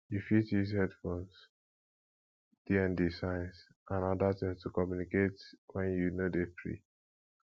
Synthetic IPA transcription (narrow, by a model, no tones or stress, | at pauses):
jufitizhɛdfons | d̥iɛ̃ndisãɪ̃ns | ʔãnɔdatĩmstʰukɔmjuniketwɛ̃njunodepɹḭ